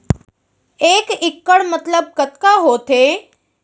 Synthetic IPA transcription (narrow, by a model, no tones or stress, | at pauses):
eːkɪkːəɽmət̪ləb̚kət̪kaɦoːt̪ʰe